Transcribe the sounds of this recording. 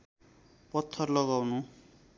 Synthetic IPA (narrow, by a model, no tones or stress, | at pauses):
pʌt̪ʰːʌrlɔɣawnu